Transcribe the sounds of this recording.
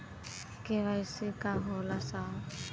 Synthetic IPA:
keʋajsɪkaɦɔlasa

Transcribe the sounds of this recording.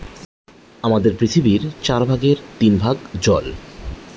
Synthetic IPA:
amad̪eɾpɾit̪ʰibiɾt͡ɕaɾbʱaɡeɾt̪inbʱaɡd͡ʑɔl

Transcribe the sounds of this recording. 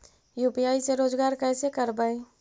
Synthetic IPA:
juːpiaːiseɾoːd͡ʒɡaːɾkɛːsekɐɾbaːẽː

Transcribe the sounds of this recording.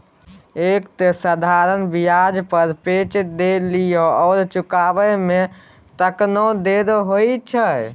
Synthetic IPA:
ekt̪səd̪ʱaɾənbijad͡ʒpəɾpet͡ʃd̪elijoɔːɾt͡ʃukabəme | t̪əknod̪eɾɦojt͡ʃʰə

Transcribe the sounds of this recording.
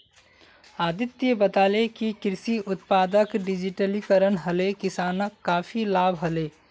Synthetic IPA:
aːd̪ɪt̪jəbət̪aːlekikɪɾsiʔʊt̪paːd̪əkɖɪd͡ʒiʈəlikəɾənɦəlekɪsaːnəkːaːfʰilaːbɦəleː

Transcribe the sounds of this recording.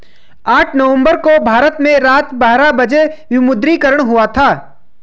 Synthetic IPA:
aːʈʰnɐʋə̃mbəɾkobʱaːɾət̪mẽɾaːt̪baːɾabɐd͡ʒeʋɪmʊd̪ɾikəɾəɽ̃ɦʊat̪ʰaː

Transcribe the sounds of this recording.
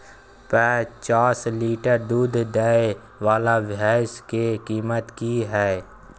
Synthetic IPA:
pɛːt͡ʃaːsliːʈəɾd̪uːd̪d̪ɛːe | ʋaːlaʋaːskekiːmət̪kiɦɛː

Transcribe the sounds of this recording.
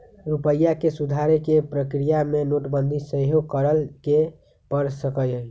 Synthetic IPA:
ɾupəjːakesud̪ʱaɾekepɾəkɾijamenoʈbənd̪ʱisəɦjoɡkəɾəlke | pəɾsəkəjəj

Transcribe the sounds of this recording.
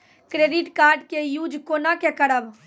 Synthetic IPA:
kɾeɖiʈkaːɾɖkejuːd͡ʒkonakekəɽəb

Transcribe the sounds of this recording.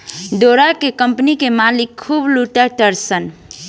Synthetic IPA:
d̪oɾakekəmpnikemalikʰːubluʈaʈəɾsən

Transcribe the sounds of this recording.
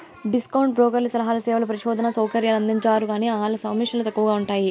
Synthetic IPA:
ɖiskɐwɳʈ̚bɾɔːkɐɾlisɐlɐɦaːlɐsɛːʋɐlɐp̬ɐɾɐʃɔːd̪ʱɐnɐsɐwkɐɾjaːlɐnd̪iɲt͡ʃaːɾuɡaːniːaːlɐsɐwmiʂɐnlɐt̪ɐkːuʋɐɡaːuɳʈaːji

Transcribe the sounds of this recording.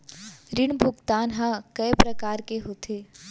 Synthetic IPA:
ɾɪɳbʱʊɡt̪aːnɦãkɐjpɾɐkaːɾkeɦot̪ʰeː

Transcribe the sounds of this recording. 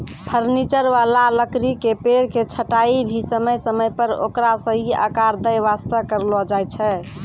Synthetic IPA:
pʰəɾnit͡ʃəɾʋalaləkɾikepeɾket͡ʃʰəʈaibʱisəməjsəməjpəɾo̰kɾasə̃ɦiə̰kaɾd̪əjʋast̪əkəɾlɔd͡ʒajt͡ʃʰɛ

